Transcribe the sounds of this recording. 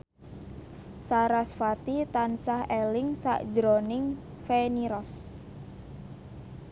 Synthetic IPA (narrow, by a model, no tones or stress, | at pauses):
saɾasfat̪it̪ansahelɪŋsa̰ʔd͡ʒɾonɪŋ | feniɾɔs